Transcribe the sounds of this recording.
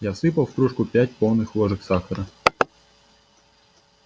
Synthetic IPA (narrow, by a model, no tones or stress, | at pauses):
jasɨpɐlˠfkɾuʂkʊpʲætʲpolˠnɨxlˠɔʐɨxsaxɐɾə